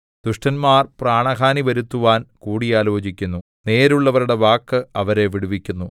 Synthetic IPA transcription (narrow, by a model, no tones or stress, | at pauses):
d̪̥uʂʈɐnmaːrpraːɳɐkaːniʋɐɾut̪ːuʋaːnkuːɽijaːlo̞ːd͡ʑikʲːunːu | ne̞ːɾuɭːɐʋɐɾuɽe̞ʋaːkːɨɐʋɐɾe̞ʋiɽuʋikʲːunːu